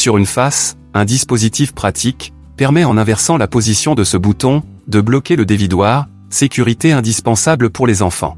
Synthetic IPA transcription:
syʁynfas | ɛ̃d̪ispozit̪ifpχat̪ʰik | pɛʁmɛɑ̃nɛ̃vɛʁsɑ̃lapozisjɔ̃d̪əsəbut̪ɔ̃ | d̪əblɔkʲeləd̪evid̪waʁ | sekʲyʁit̪eɛ̃d̪ispɑ̃sabləpuʁlezɑ̃fɑ̰̃

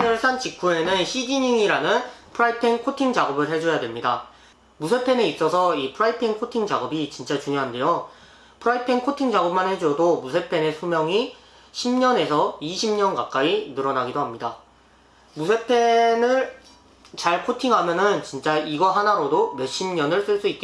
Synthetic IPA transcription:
enɯɭs͈ʰant͡ɕikʰue̞nɯnɕʰid͡ʑiɲiŋiɾanɯnpʰɯɾaipʰenkʰotʰiŋd͡ʑaɡʌbɯɭed͡ʑʌjadwemɲida | musʰe̞pʰe̞ne̞is͈ʌsʰʌipʰɯɾaipʰeŋkʰotʰiŋd͡ʑaɡʌbit͡ɕint͡ɕ͈at͡ɕuŋjoɦande̞jo | pʰɯɾaipʰeŋkʰotʰiŋd͡ʑaɡʌp̚manhed͡ʑuʌdomusʰe̞pʰe̞ne̞sʰumjʌŋi | ɕʰimɲʌne̞sʰʌiɕʰimɲʌnkak͈ainɯɾʌnaɡidoɦamɲida | musʰe̞pʰenɯɭ | t͡ɕaɭkʰotʰiŋɦamjʌnɯnt͡ɕint͡ɕ͈aiɡʌɦanaɾodome̞ɕ͈imɲʌnɯɭs͈ɯɭs͈uit̚k͈e

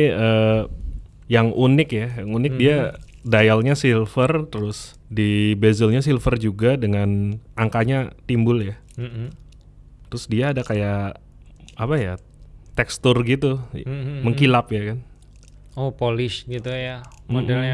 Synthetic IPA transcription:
iə | jaŋʔunɪkjajaŋunɪk̚dia | dajalɲasilfərt̪əɾʊs | dibezəlɲasilfərd͡ʒuɡadəŋanʔaŋkaɲat̪imbʊlja | t̪əɾʊsdiaːdakajaʔ | apaja | t̪ɛkst̪ʊrɡit̪uməŋkilapjakan | opolɪʃɡit̪ujammodalɲa

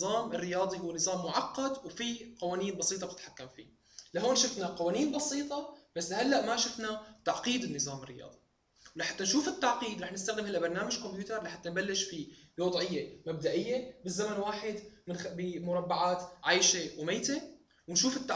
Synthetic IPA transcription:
zˤɑːmɪrːɪjɑːd̪ˤihuwːnɨzˤɑːmːʊʕɑqːɑd̪wfiqɑwaːniːnbɑsˤiːt̪ˤɑb̚t̪ɪt̪ħakːamfḭ | laɦoːnʃʊfnaqɑwaːniːnbɑsiːt̪ˤɑbasːahalːaʔmaʃʊfnat̪aʕqiːd̪ɪnːɨzˤɑːmɪrːɪjɑ̰ːd̪ˤi | wlaħat̪ːanʃuːfɪt̪ːaʕqiːd̪ɾˤɑːħnɪst̪aɣɪnhalːʔabɑɾˤnaːmaʒkompjuːt̪ɑɾˤlaħat̪ːanbalːɪʃfiɑd̪ˤʕɪjːemab̚d̪aʔɪjːebɪzːamanwaːħɪd̪mɪnbɪmʊɾˤɑbːaʕaːt̪ʕajʃewmeːt̪e | wɪnʃuːfɪt̪ːa

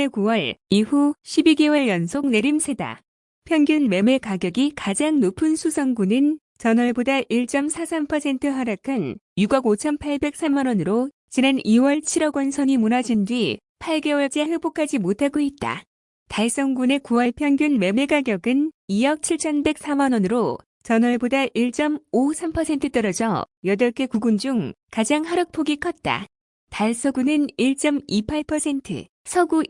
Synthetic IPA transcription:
ekuwʌɭihuɕʰibiɡewʌɭjʌnsʰok̚ne̞ɾimsʰe̞da̰ | pʰjʌŋɡjunme̞me̞kaɡjʌɡikad͡ʑaŋnopʰɯnsʰusʰʌŋɡunɯn | t͡ɕʌnwʌɭbodaʔiɭt͡ɕ͈ʌmsʰasʰampʰʌsʰe̞ntʰɯɦaɾakʰɯnjuɡʌɡot͡ɕʰʌnpʰaɭbe̞k̚s͈ʰamːanwʌnɯɾo | t͡ɕinaniwʌɭt͡ɕʰiɾʌɡwʌnsʰʌɲimunad͡ʑindɥi | pʰaɭɡe̞wʌɭd͡ʑ͈ehɯbokʰad͡ʑimotʰaɡoit̚t͈a̰ | taɭs͈ʌŋɡune̞kuaɭpʰjʌŋɡjunme̞meɡaɡjʌɡɯnijʌk̚t͡ɕʰiɭt͡ɕʰʌnbe̞k̚s͈ʰamanwʌnɯɾo | t͡ɕʌnwʌɭebodaʔiɭt͡ɕ͈ʌmosʰampʰʌsʰe̞ntʰɯt͈ʌɾʌd͡ʑʌ | jʌdʌɭk͈ʰe̞kuɡund͡ʑuŋkad͡ʑaŋhaɾʌk̚pʰoɡikʰʌt̚t͈a̰ | taɭs͈ʌɡunɯniɭt͡ɕ͈ʌmipʰaɭpʰʌsʰe̞ntʰɯ̰ | sʰʌɡu

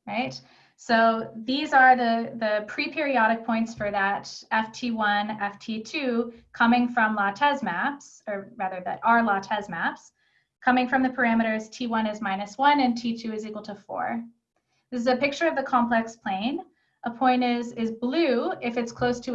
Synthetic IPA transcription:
ɹaɪt | soʊðizə˞ðɨðɨpʰɹ̥ipʰɪɹiɑɾɨk̚pʰɔ̃ɪ̃ntsfə˞ðɨɾɛftʰiwʌ̃nɛftʰitʰʉkʰʌmɪ̃ŋfɹʌ̃mlɑtʰɛzmæpsə˞ɹæðə˞ðɨ̰ɾə˞lɑtʰɛzmæps | kʰʌmɪ̃ŋfɹʌ̃mðɨpʰə˞æmɨɾə˞z̥tʰiwʌ̃nɨzmãɪ̃nɨswʌ̃nɨ̃ntʰitʰʉɨzikwl̩ˠtʰəfɔ̰ɹ | ðɪsɨzɨpɪk̚t͡ʃə˞ʌvðɨkʰɑ̃mpʰl̥ɛkspʰl̥ẽɪ̃n | ʔəpʰɔ̃ɪ̃ntɪzɪzblʉɪfɨtskʰl̥oʊstʰɨ

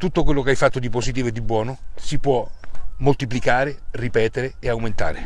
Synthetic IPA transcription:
t̪ut̪ːokwelːokeajfat̪ːod̪iposit̪iːvoed̪ːibwɔːnosipwɔmolt̪iplikaːɾeripɛːt̪eɾeeawment̪a̰ːɾe

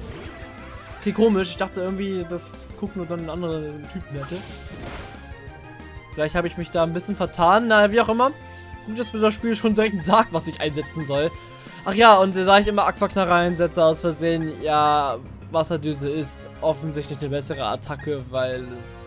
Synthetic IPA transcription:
ʔokʰeːkʰoːmɪʃɪçd̥aχtəʔɪɐɡŋ̩tv̥iːdaskʰʊk̚nuːɐdannʔandəʁətʰyːpm̩hɛtə | fɪlaɪçthaːbəɪçmɪçd̥aːnbɪsçənfɛɐtʰaːnːaviːaʊxʔɪmɐ | ɡ̥uːtd̥asmiːɐdasʃpiːlʃoːndiɛŋk̚tz̥aːk̚tv̥asɪçʔaɪnzɛt͡sn̩zɔl | ʔaχjaːʊntd̥aːɪçʔɪmɐʔakv̥aknaʁaɪnzɛt͡səaʊsfɛɐzeːənjaː | vasɐdyːzəɪst | ʔɔfn̩zɪçtlɪçnəbɛsəʁəa̰tʰakəvaɪlɛs

